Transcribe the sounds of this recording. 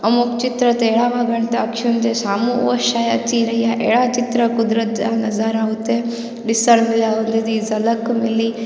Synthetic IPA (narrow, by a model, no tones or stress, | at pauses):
ɐmukt͡ʃit̪ɾɐt̪eːɽaːmɐɡɐɳt̪ɐɐkʃunt̪esaːmṵʋɐʃaːjɐt͡ʃiɾɐjaʔḛɽaːt͡ʃit̪ɾɐkud̪ɾɐd͡ʒanɐzaːɾaɦut̪ːe | ɖisɐɽmilaʋɐnd̪ed̪izɐlɐkmili